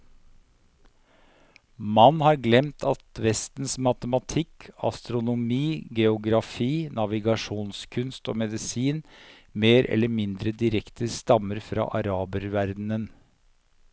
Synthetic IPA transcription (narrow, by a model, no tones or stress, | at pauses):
mɑnːhɑːɾɡlɛmt̪ʰɑt̪ʋɛst̪n̩smɑt̪əmɑt̪ʰɪkʰɑ̰st̪ɾʊnʊmiːɡɛʊɡɾɑfiːnɑʋɪɡɑʂuːnskʰʉnst̪o̰ːmɛd̪ɪsiːn | meːɾʔɛ̰lːəɾmɪnd̪ɾəd̪ɪɾɛkt̪ʰəst̪ɑməɾfɾɑ̰ːʔɑɾɑːbəɾʋæɾd̪nən